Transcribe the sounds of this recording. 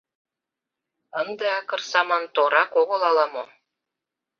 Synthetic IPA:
ɤ̆nd̪ɤ̆ɑkɤ̆rsɑmɑnt̪oɾɑkoʁŏlˠɑlˠɑmo

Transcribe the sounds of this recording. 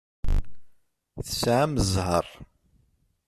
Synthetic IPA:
θəsʕaməzˤɦə̰rˤ

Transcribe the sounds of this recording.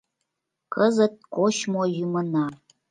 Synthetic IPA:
kəzə̆t̪̚koɕmojumə̆nɑ

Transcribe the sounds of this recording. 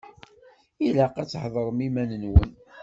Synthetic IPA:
ilæqæt͡sːħðˤɾˤəmimænənwə̰n

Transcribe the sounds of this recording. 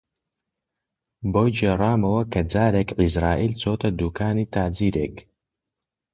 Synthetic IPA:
boːd͡ʒeːrˤaːmɐwɐkʰɐd͡zaːɾeːkʕizɾaːʔiːlt͡soːt̪ʰɐd̪uːkʰaːniːt̪ʰaːd͡ziːɾeːk

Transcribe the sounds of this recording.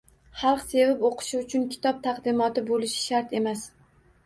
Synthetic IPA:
χɑlˠqse̞vɪpoqʰɨ̥ʃɪʊt͡ʃʰʊnkʲʰɪ̥t̪ʰɒp̚t̪ʰaqd̪ɪmɒt̪ɪbolɪʃɪ̥ʃaɾt̪e̞mas

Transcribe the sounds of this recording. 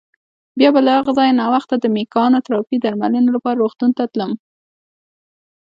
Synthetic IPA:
bjɑbalahaɣazɑjnɑwaxt̪ad̪əmekɑnot̪ɾɑpid̪aɾmalənolapɑɾaɾoxt̪unt̪at̪ləm

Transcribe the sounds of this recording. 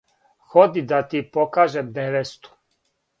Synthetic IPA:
xod̪id̪at̪ipokaːʒemd̪eʋest̪u̥

